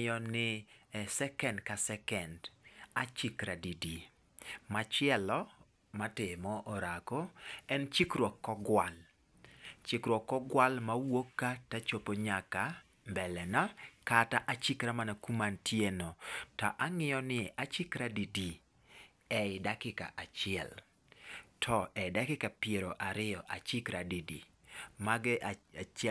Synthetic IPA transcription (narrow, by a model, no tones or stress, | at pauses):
jɔnɪsɛkɛndkasɛkɛndat͡ʃikɾadidi | mat͡ʃɪɛlɔ | matɪmɔʔɔɾakoɛnt͡ʃikɾwɔkːɔɡwal | t͡ʃikɾwɔkːɔɡwalmawokːatat͡ʃopoɲaka | mbɛlɛnakataʔat͡ʃikɾamanakumantjenɔtɔ̰ʔaŋɪjɔnɪʔat͡ʃikɾadidi | ɛɪdakɪka̰ʔat͡ʃɪɛ̰l | tʰɔɛdakɪkapjeɾoʔaɾɪɔʔat͡ʃɪkɾadidḭ | maɡʔaat͡ʃɛ